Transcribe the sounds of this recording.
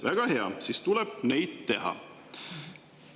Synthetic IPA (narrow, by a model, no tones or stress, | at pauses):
væɡ̥ɑɦe̞ɑ̰siːst̪uleb̥̚ne̞jd̪̥t̪e̞ɦɑ̰